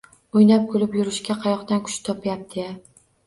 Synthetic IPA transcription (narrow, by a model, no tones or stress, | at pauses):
ojnap̚kʰolɪpjʊɾɪʃkʲaqʰɑjɒqt̪ankʰʊ̥ʃt̪ʰɒpʰjap̚t̪ʰɪa